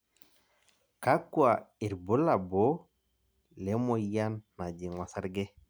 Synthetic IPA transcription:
ka˦kwa˨i˨ɾbu˦la˨bo˦ | le˨˦mo˦ja˦nːa˨d͡ʒi˨ŋɔ˨sa˦ɾɡe˦

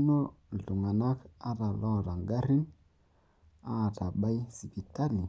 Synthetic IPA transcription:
no˦ɮu˨ŋa˨na˦ka˦ta˨lo˦˨ɾa˨ŋɡa˦ɾi˦n | a˦˨ta˨ɓa˦jsi˨bi˨ta˦li˨

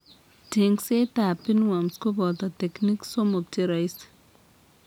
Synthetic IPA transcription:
de˨ŋse˦t̪a˨pi˦nwa˨msku˦bɔ˨t̪a˨t̪e˨kni˦kso˦mo˨k̚tʰi˦ɾa˨js

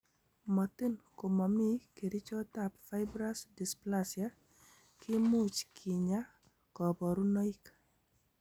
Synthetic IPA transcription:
ma˨t̪i˦nko˨ma˨mi˦ke˨ɾi˦t͡ʃɔ˦t̪apfa˦ɪbɾa˦sdi˨splasja | kʰɪ˦mu˦t͡ʃkʰɪ˨ɲa˦ | kɔ˨bɔ˨ɾu˦nɔ˦ik

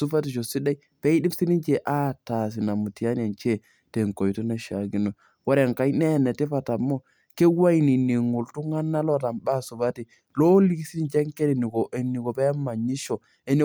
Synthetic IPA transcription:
su˦fa˦ti˨t͡ʃo˨si˦da˦i˦ | pɛ˦i˦di˦psi˦ni˦t͡ʃe˨ʔa˦ta˨s̬i˨na˨mu˨ti˨a˦n˦a˨nt͡ʃe˦ | te˨ŋko˨jtu˦na˦ʃa˨ɡi˦no˨ | wa˦ɾa˨ŋka˦jnɛ˦˨nɛ˨tɛ˦pa˨ta˨mːo˦ | ke˦wa˦i˨ni˨ni˨ŋu˨ltu˦ŋa˦nːa˦lo˦˨ta˨mba˦˨su˨ba˦ti˨ | lo˦li˦ki˦si˦ni˦nt͡ʃɛ˦ŋke˦di˨ni˨ɡo˨ʔe˨nːi˨ɡo˨pɛ˦mːa˨ɲi˦ʃo˨ | e˨˦ni˦

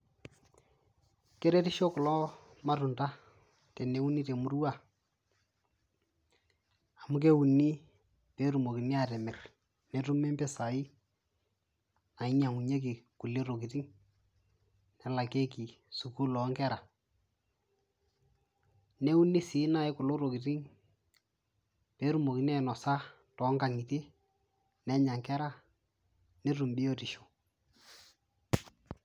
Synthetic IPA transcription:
ke˦ɾe˦ti˦ʃo˦kʊ˨lɔ˦ma˦tʊ˨nda˦ | tɛ˨ne˦u˦ni˦te˨mʊ˦rwa˦˨ | a˨mʊ˦k̬e˦u˨ni˦ | pe˦ɾu˨mo˨ki˨ni˦a˨tɛ˨mɛ˨r | nɛ˨tu˦me˦mbɛ˦sa˨ɪ˦ | a˨ɪ˦ɲa˨ŋu˨ɲe˦k̬i˨ku˨le˦ro˨ki˨ti˦ŋ | nɛ˨la˨ke˦k̬i˨su˨ku˦lɔ˨˦ŋkɛ˦ɾa˨ | nɛ˦u˦nɪ˦si˨˦na˦ɪ˦kʊ˨lʊ˦ɾo˨ki˨tɪ˦ŋ | pe˦ɾu˦mo˨ki˦nɛ˦˨nɔ˨sa˦ | tɔ˨˦ŋka˨ŋi˨te˦ | nɛ˦ɲa˨ŋkɛ˦ɾa˦ | nɛ˦tu˨mbɪ˦jo˦ti˨ʃo̥˨

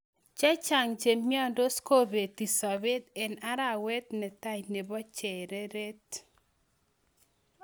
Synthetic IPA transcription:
t͡ʃa˦t͡ʃa˨ŋt͡ʃe˨mːi˦ɔ˦ndo˦sko˦be˨t̪i˨sɔ˨be˦t̪ɛ˨na˦ɾa˦˨wɛ˦t̪nɛ˨t̪a˦d͡ʒne˨bɔ˦t͡ʃɛ˨ɾe˦ɾe˦t̪

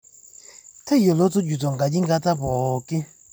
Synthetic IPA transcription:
tʰa˦jɔ˨lo˦t͡sɔ˦d͡ʒu˨t͡sɔ˨ŋɡa˨d͡ʒi˦ŋɡa˦t͡sa˦bɔ˨ki˦

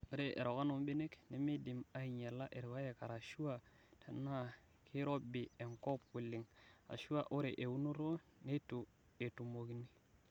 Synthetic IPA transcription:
o˦ɾe˦ʔḛ˨ɾo˨ka˦no˨˦mbi˦ne˦kne˨mi˦di˨ma˦i˨ɲe˨lːa˦ʔe˨ɾwa˦je˨ka˨ɾa˨ʃu˦wa˦ | tʰe˨nːa˦ | kʰi˦ɾo˦bi˨e˨ŋko˦pwu˨lːi˨ŋa̰˨ʃu˦a˦˨ʔo˦ɾe˨ʔe˨wu˦nu˦ɾo˦ | ne˦tu˨ | e˨tu˨mo˨kni˦

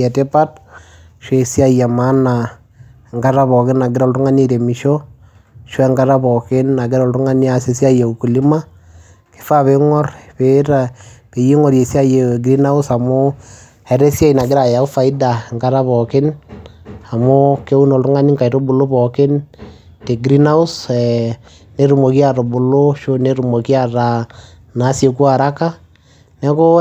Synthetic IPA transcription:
ɛ˨te˦pa˦t̚ | ʃe˨si˦a˦˨ja˨ma˦na˨ | ŋɡa˦ɾa˦βɔ˨kɪ˦na˨ɡɪ˦ɾɔ˨ltu˦ŋa˦ni˦ɾe˨mi˨ʃɔ˦ | ʃwɛ˦ŋɡa˦ɾa˦bɔ˨kɪ˦nːa˨ɡɪ˦ɾɔ˨ltu˦ŋa˦ni˦a˨se˦sa˦je˨u˨ku˨li˦ma˦ | kɪ̥˦fa˦βe˦ŋɔ˦rpe˦ɾa˨ke˨ji˦ŋɔ˨ɾje˨si˦a˦je˨ɡɾi˦na˦ʊ˦sa˨mʊ˦ | hɛ˨ɾɛ˦sja˦ina˨ɡɪ˦ɾa˨ja˨u˦fa˨i˦da˨ŋka˦ɾa˦βɔ˨kɪ˦n | a˨mo˦ke˦u˦nɔ˨lɾʊ˦ŋa˦ni˦ŋka˨i˨ɾo˦bu˨lo˦pɔ˨kɪ˦n | te˨ɡɾi˦na˦ʊ˦sɛ˨ | ne˦ɾu˨mo˨ki˦a˦ɾo˨bʊ˨lo˦ʃo˦ne˦ɾu˨mo˨ki˦a˦ɾa˨ | na˨˦se˨ku˦a˨ɾa˦ka˦ | nɛ˦ko˦

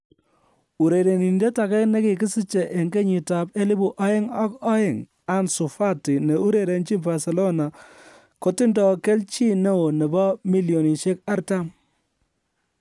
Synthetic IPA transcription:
u˨ɾe˨ɾe˨ni˨ni˨de˦ta˨kɛ˦kne˦ki˨kɪ˦si˦t͡ʃe˨ʔe˨ŋɡe˦ɲi˨ta˨pe˦li˦bu˨ʔa˦jɪ˦ŋa˦kɔ˦ɪ˦˨ŋ | a˨nsʊ˨fa˦ti˨ne˨u˦ɾe˨ɾe˨nt͡ʃi˦mba˨se˨lɔ˦na˨ | ko˦tɪ˦ndɔ˨ke˦lt͡ʃi˦ne˦o˨nɛ˨bɔ˦mi˦ljo˨ni˨ʃe˦ka˦ɾta˦m

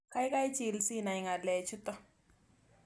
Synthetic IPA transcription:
ka˦ɪ˦ka˦i˦t͡ʃɪ˨lsi˦na˨ɪ˨ŋa˨lɛ˨t͡ʃʊ˦t̪ɔ˦

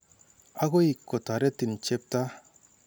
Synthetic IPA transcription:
a˦ɡo˦i˨kːo˨ta˨ɾe˦ti˨n˨t͡ʃe˦p̚ta˦

